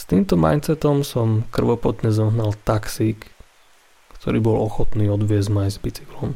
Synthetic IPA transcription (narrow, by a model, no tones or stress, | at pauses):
st̪iːmt̪ɔma̰ɪnt͡sɛt̪ɔmsɔmkr̩ʋɔpɔt̪ɲɛzɔɦnalt̪aksiːkː | t̪ʰɔɾiːbɔlɔxɔt̪niːɔd̪ʋɪɛzmajzbit͡siklɔm